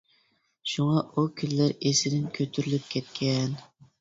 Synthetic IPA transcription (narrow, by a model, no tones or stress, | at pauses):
ʃuŋɑukʲʰynlæɾesɪd̪ɪnkʲʰøt̪ʰyɾylyp̚kʲʰɛt̪kʲʰɛn